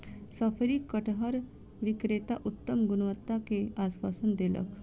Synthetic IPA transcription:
səfɾiːkːəʈɦəɾ | ʋikɾet̪aʔut̪ːəmɡunʋət̪ːakeasʋasənd̪elə̰k

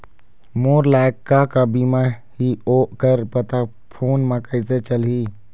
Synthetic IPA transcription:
moːɾlaːkːakabima | hioːʔkəɾpət̪a | pʰoːnmãkəɪset͡ʃəlɦiː

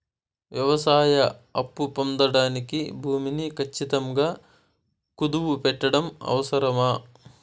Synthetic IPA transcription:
ʋjɐʋɐsaːjɐɐpːupond̪ɐɽaːnikibʱuːminikʰɐt͡ʃːit̪ɐmɡaː | kud̪uʋupɛʈːɐɽɐmɐ̰ʋɐsɐɾɐmaː

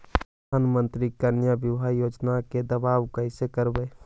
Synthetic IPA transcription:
əd̪aːnmə̃nt̪ɾikəɾnjabjɪʋɦajoːd͡ʒnaked̪əbaːʋkəɪsekəɾbe

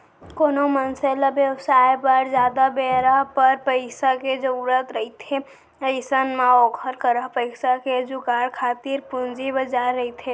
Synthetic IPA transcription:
koːnomənseləbjəwsaːjbəɾd͡ʒjaːd̪abeːɾəɦpəɾpəɪsaked͡ʒəɾuːɾət̪ɾəɦit̪ʰe | əɪsənmaɔːkʰəɾkəɾəɦpəɪsaked͡ʒʊkaːɾkʰaːt̪iɾpʊnd͡ʒibəd͡ʒaːɾɐɦit̪ʰeː

